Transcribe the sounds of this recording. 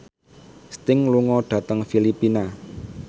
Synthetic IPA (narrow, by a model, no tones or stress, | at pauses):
st̪ɪŋluŋɔɖ̥ä̤t̪əŋfilipina